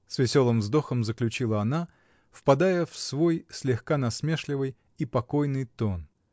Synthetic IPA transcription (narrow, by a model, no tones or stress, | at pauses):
svʲɪsʲo̞lˠɨmvzd̪o̞xəmzəklʲʉt͡ɕilˠəɐna | fpɐd̪ajəfsvo̞jsʲlʲɪxkanɐsmʲeʂlʲɪvɨj | ipɐko̞jnɨjt̪o̞n